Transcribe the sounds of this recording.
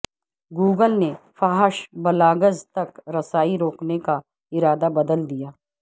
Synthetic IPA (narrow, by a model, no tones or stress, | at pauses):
ɡuːɡəlnefaːɦəʃbɐlaːɡəzt̪ɐkɾɐsaːiɾoːkneka | ɪɾaːd̪abɐd̪əld̪ijaː